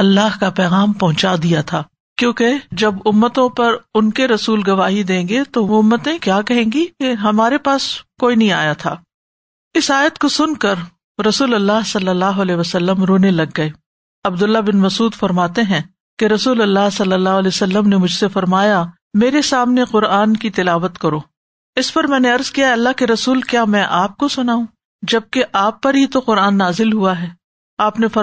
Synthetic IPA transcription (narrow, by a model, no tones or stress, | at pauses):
ɐlːaːɦkapɛːɣaːmpɐɦʊ̃t͡ʃad̪ijat̪ʰaː | kjõːked͡ʒɐbʊmːət̪õpɐɾʊnkeɾɐsuːlɡɐʋaːɦid̪ẽːŋɡet̪oʋoʊmːət̪ẽkjaːkɐɦẽːŋɡikeɦɐmaːɾepaːskoːinɐɦĩaːjat̪ʰa̰ː | ɪsaːjət̪kosʊnkɐɾ | ɾɐsuːlɐlːaːɦsɐlːəlːaːɦʊɐleʋɐsɐlːəmɾoːnelɐɡːɐeː | ɐbd̪ʊlːabɪnmɐsuːd̪fɐɾmaːt̪eɦɛ̃ | keɾɐsuːlɐlːaɦsɐlːəlːaːɦʊɐleːsɐlːəmnemʊd͡ʒʱsefɐɾmaːja | meːɾesaːmneqʊɾaːnkit̪ɪlaːʋət̪kɐɾoː | ɪspɐɾmɛ̃ːneɐɾzkijaɐlːaɦkeɾɐsuːlkjaːmɛ̃ʔaːp̚kosʊnaːũ | d͡ʒɐb̚keʔaːpːɐɾɦit̪oqʊɾaːnːaːzɪlɦuaɦɛː | aːpnefɐ